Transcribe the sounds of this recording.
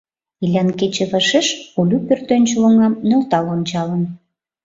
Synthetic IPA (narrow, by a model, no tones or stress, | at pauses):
ilʲɑnket͡ɕĕβəʃeʃulʲupørt̪ønʲt͡ɕolə̆ŋɑmnølt̪ɑlont͡ɕɑlə̆n